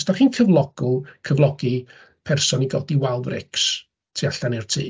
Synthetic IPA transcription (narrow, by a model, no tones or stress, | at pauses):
sd̥aχiːnkʰəvlˠɔɡ̥ʊlˠkʰəvlˠɔɡ̥i | pʰɛrsɔniɡɔ̰diwalˠvrɪ̰ks | tʰiaɬanɪrtʰiː